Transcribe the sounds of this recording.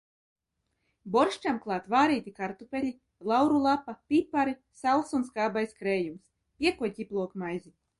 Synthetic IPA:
bɔɾʃt͡ʃamklˠɑːt̪vaːɾiːt̪ikaɾt̪upʲelʲi | lˠawɾulˠapːapipːaɾisalˠsunskaːbajskɾɛːjums | pʲiɛkuɔcʲiplˠuɔkmajzi

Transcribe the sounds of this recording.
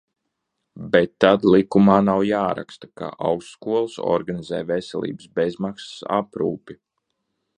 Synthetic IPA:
bet̪ːad̪likumaːnawjaːɾa̰kst̪ḁka̰ʔa̰wsːkuɔlˠsɔ̰ɾɡanizɛːjvesɛ̰lˠʔḭːbəsbezmaksḁsa̰pɾṵːpi

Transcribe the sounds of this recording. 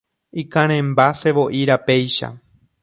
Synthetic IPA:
ikãɾ̃ẽmbase̞ʋo̞ʔiɾape̞jʃa̰

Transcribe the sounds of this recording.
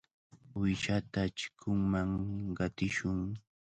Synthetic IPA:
ʊjʃat̪at͡ʃɪ̥kʰʊŋmaŋɢɑt̪ɪʃʊŋ

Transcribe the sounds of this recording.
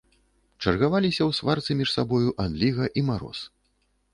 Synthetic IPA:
t͡ʂɐrɣavalʲisʲɐwsvart̪sɨmʲiʂsabɔjuʔand̪lʲiɣɐʔimaɾɔ̰s

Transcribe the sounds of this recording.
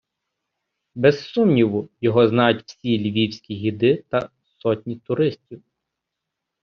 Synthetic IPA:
bɛssumnʲiʋʊjɔɦɔznɑjʊtʲw̥sʲilʲiʋʲiwsʲkʲiɦʲid̪ɪt̪ɐ | sɔtʲnʲit̪ʊɾɪsʲtʲiw

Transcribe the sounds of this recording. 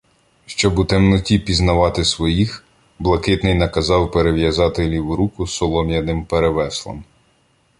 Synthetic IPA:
ʃt͡ʃɔbut̪ɛmnɔtʲipʲiznɐʋɑt̪ɪsʋɔjix | blˠɐkɪt̪nɪjnɐkɐzɑwpeɾeʋjɐzɑt̪ɪlʲiwɾukʊsɔlˠɔmʲjɐnɪmpeɾeʋɛslˠɔ̰m

